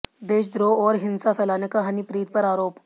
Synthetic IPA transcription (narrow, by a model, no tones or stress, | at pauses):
d̪eːʃd̪ɾoːɔːɾɦɪ̃nsafʰɛːlaːnekaɦɐnipɾiːt̪̚pɐɾaːɾoːp